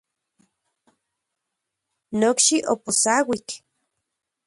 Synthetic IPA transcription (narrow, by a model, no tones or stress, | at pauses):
nokʃiʔoposawik